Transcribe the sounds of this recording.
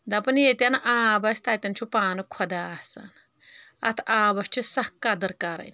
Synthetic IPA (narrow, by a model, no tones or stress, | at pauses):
d̪ɐpɐnjet̪ʲanʔaːbast̪aːt̪ʲɐnt͡ʃʰupaːnɨkʰɐd̪aːsa̰n | ɐ̰t̪ʰaːbɐst͡ʃʰisɐhkːad̪ɐɾkaɾa̰jn